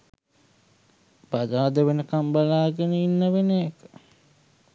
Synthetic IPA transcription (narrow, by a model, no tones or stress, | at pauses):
bad̪aːd̪əʋenəkambalaːɡenəinːəʋeneːkə̥